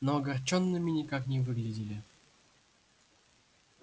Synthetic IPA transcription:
noɐɡart͡ɕonːɨmʲinʲikaknʲɛvɨɡlʲɪdʲilʲi

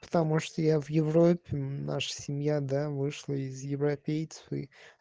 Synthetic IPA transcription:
pə̥t̪ɐmuʂt̪ojavjɪvɾopʲːɪna̰ʂə̥sʲɪmʲjad̪avɨʂlˠəɪzjɪvɾɐpʲejt̪sə̥fɨ̰

